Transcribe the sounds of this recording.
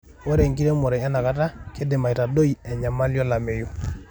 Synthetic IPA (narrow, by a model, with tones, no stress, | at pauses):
wo˦ɾe˨ŋɡi˦ɾe˦mɔ˨ɾɛ˨a˦na˨ka˨ta˦kʰe˦de˨ma˨i˨ta˨do˦i˨ɛ˨ɲa˨ma˦ljɔ˦la˨me˨jo˦